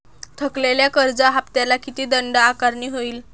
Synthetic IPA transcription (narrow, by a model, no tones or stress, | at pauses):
t̪ʰəkleljakəɾd͡zaɦapt̪jalakit̪iːd̪əɳɖaːkaɾɳiːɦoiːl